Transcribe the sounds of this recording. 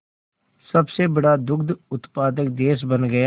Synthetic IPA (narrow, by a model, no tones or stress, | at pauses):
sɐbsebɐɽad̪ʊkd̪ʊt̪paːd̪ək̚d̪eːs̬bənɡɐja